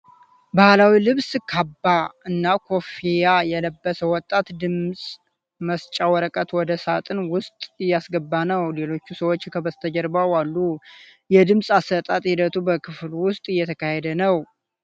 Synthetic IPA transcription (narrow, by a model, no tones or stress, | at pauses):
bahlawilɨβskʰabːaɨnːakʰo̞fijajɛləbːəsəwɔt̪ʼːat̪d̪ɨmsʼ | məst͡ʃʼawəɾəkʼət̪wɔd̪əsat̪ʼɨnwʊst̪ʼɨjːasɡəbːanəwle̞lo̞t͡ʃːusəwot͡ʃːkʰəbəst̪ʰəd͡ʒəɾbawalːujɛd̪ɨmsʼasːət̪ʼat̪ʼhid̪ət̪ʰubəkʰɨflwʊst̪ʼɨjːɛt̪ʰəkʰahed̪ənəw